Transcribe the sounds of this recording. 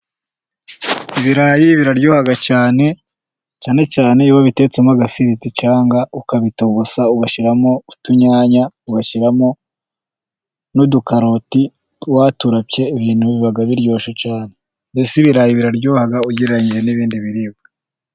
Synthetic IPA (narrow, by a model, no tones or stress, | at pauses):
iβiɾajiβiɾaɾɟoːhaɡat͡ʃaːne̞ | t͡ʃaːne̞t͡ʃaːne̞iwoβite̞t͡semaɡafiɾitit͡ʃaːŋɡaukaβitoβusauɡaʃiɾamo̞utuɲaːɲauɡaʃiɾamo̞ | nudukaɾoti | waːtuɾapce̞iβiːn̥huβiβiβaɡaβiɾɟo̞ːʃot͡ʃaːne̞ | mbesiβiɾaːjiβiɾaɾɟoːhaɡauɟiɾeɾaɲiɾe̞niβiːndiβiɾib̚ɡa